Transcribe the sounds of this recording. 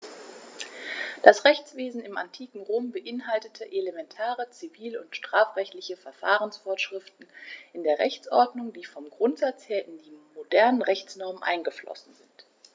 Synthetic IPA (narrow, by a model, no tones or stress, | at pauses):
d̥asʁɛçt͡sv̥eːzn̩ɪma̰ntʰiːkŋ̩ʁoːmbəʔɪnɦaltətʰəʔelemɛntʰaːʁət͡siviːlʊntʃtʁ̥aːfʁ̥ɛçtlɪçəfɛɐfa̰ːʁənsfɔːɐʃʁ̥ɪftn̩ʔɪndeːɐʁɛ̰çt͡sʔɔɐdnʊŋdiːfɔmɡʁʊntz̥at͡sheːɐʔɪndiːmodɛɐnənʁɛçt͡snɔɐmənʔa̰ɪnɡəflɔ̰sn̩zɪnt